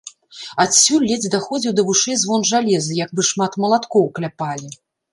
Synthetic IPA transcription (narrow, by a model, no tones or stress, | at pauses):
at̪sʲulʲːɛd͡zʲd̪axɔd͡zʲiwd̪ɐvuʂɛzvɔnʐalʲɛzɨjaɡbɨʂmat̪mɐlˠat̪kɔwklʲapalʲi